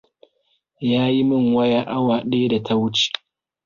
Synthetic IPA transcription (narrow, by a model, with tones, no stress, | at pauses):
jaː˦ji˦mɪ˦˨ŋwɐ˦jaː˦ʔa˦waː˨ɗeː˦da˨tʰa˦wʊ˦t͡ʃi̥˨